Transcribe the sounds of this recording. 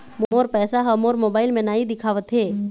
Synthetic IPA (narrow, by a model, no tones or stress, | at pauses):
momoːɾpɛːsaɦɐmoːɾmoːbaːɪlmẽnaːɦid̪ɪkʰaːʋət̪ɦeː